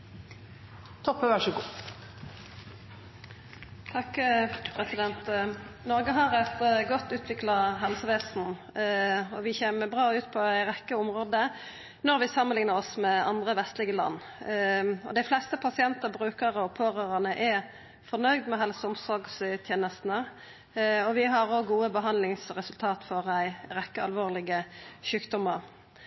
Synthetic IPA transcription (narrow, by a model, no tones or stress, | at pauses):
t̪ʰɔpːəʋæʂəɡuː | t̪ʰɑkːpʰɾɛsɪd̪ɛnt̪nɔʁɡəɦɑʁɛt̪ɡɔt̪ːʉːt̪ʰʋɪklɑɦɛlsəʋeːsn̩ | ɔʋɪçeːməbʁɑːʉːt̪pʰɔæɪʁɛkːəʊmʁoːd̪ə | nɔʁʋɪsɑmːənlɪŋnəʁɔsmɛɑ̰nd̪ʁəʋɛst̪lɪɡəlɑ̰nː | ɔ̰d̪æɪflɛst̪əpʰɑsɪɛnt̪əʁbʁʉːkəʁəɔpʰoːɾøːʁənəʔɛ | fɔʁnœʏd̪mɛɦɛlsəʊmsɔɾɡst̪ʰjeːnəst̪n̩ə | ɔʋɪɦɑʁɔɡuːəbəɦɑnlɪŋsʁɛsʉlt̪ʰɑːt̪fɔʁæɪɾɛkːəɑlʋoːʁlɪɡəʃʉːkd̪ɔmːəʁ